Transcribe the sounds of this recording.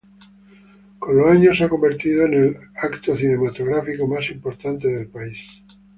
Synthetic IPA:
koloaɲosako̞mbe̞ɾt̪ið̞oenelakt̪oθine̞mat̪oɣɾafikomasimpo̞ɾt̪ant̪e̞ðe̞lpais

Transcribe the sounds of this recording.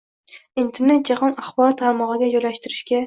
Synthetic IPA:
int̪ʰeɾnet̪jɑʁɑnɑχbɒɾt̪ʰaɾmɑʁɨɡʲajolːaʃt̪ɪɾɪʃkʲɛ

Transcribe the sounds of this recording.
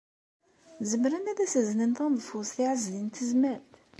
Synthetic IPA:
zəmɾænæðæsəznənt̪ɑnðˤfusθiʕəzlint̪əzməɾt̪

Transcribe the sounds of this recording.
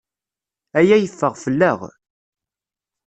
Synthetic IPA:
æjæjəfːəʁfəlːəʁ

